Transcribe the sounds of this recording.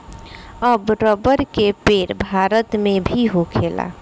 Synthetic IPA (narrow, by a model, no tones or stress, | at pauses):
əbɾəbəɾkepeɾbʱaɾət̪mebʱiɦokʰela̰